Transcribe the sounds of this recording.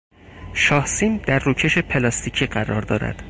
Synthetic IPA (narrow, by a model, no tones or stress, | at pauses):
ʃɒːhsiːnd̪æɾːuːcʰe̞ʃe̞pʰe̞lɒst̪iːcʰiːɢæɾɒːɾd̪ɒ̰ːɾæ̰d̪̥